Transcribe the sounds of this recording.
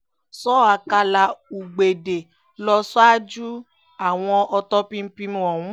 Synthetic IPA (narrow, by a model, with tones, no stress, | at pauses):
sɔ˦˨a˧ka˧la˧u˨ɡ͡be˨de˨ | lɔ˧˦sɔ˦a˦d͡ʒu˦ | a˨w̃ɔ̃˧ɔ˧tɔ˦pĩ˦m̩˦pi˧mũ˧ɔ˨wũ˨˦